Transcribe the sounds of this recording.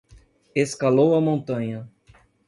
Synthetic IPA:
eskalowɐmõnt̪ɐ̃ɲɐ

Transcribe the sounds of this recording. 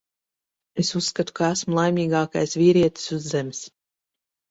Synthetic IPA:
esusːkat̪u̥kaæsmulˠajmʲiːɡɑːka̰jsviːɾiɛt̪i̥suzːemɪs

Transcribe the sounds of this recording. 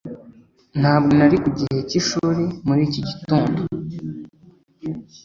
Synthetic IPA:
n̥haːbɡenaɾikuɟihe̞ciʃuːɾemuɾiːciɟituːndo

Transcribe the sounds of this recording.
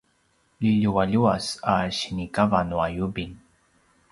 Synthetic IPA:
liʎuwaʎuasaɕinikavanuajubin

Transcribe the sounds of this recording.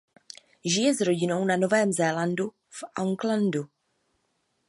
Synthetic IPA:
ʒɪjɛzɾo̞ɟɪno̞wnano̞vɛːmzɛːlandu | fʔaŋklandu

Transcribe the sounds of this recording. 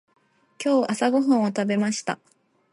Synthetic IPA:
kʲo̞ːʔasaɡo̞ɦɯ̃ɰ̃ot̪abe̞maɕi̥t̪a̰

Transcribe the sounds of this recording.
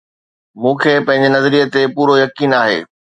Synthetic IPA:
mũːkʰeːpɐ̃ɦɪ̃ɲ̆d͡ʑenɐzəɾijət̪epuːɾojɐkiːnaːɦḛː

